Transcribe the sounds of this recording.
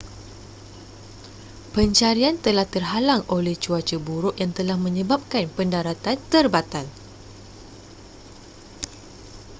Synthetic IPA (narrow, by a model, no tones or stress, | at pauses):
pəɲt͡ʃaɾiant̪əlaht̪ərɦalaŋʔolɛht͡ʃuat͡ʃəbuɾʊʔjaŋt̪əlahmə̃ɲə̃bap̚kanpəndaɾat̪ant̪ərbat̪an